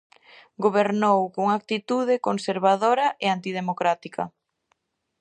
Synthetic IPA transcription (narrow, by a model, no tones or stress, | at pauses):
ɡoβ̞eɾnowkoŋak̚t̪it̪uð̞ɪkonseɾβaðoɾɐʔeant̪ið̞emokɾat̪ikɐ̰